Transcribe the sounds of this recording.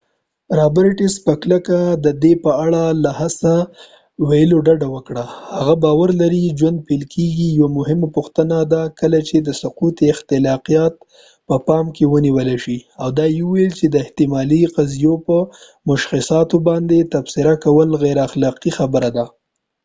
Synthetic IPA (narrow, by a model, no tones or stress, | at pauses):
ɾabaɾɪʈispəkləkad̪əd̪epəaɽalahasa | wajəloɖaɖawəkɽahaɣabɑwaɾlaɾid͡ʒwand̪̚pelkʰeɡijwamʊɦɪmpʊxt̪ənad̪akəlat͡ʃed̪əsʊqut̪ɪxt̪ɪlɑqijɑt̪̚ | pəpɑmkewəniwəlaʃiawd̪ɑjiuwjəlt͡ʃed̪əɪht̪ɪmɑliqazijopə | mʊʃxɪsɑt̪obɑnd̪et̪absɪɾakawəlɣajɾaxlɑqixabəɾad̪a